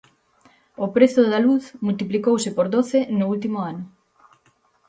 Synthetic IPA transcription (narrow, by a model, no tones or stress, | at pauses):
opɾeθʊðaluθmult̪iplikowsɪpoɾðoθenoult̪̬imoanʊ